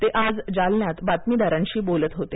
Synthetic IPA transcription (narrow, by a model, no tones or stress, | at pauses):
t̪eʔad͡zd͡zalnjat̪bat̪miːd̪aɾãɲɕiːbolət̪ɦot̪e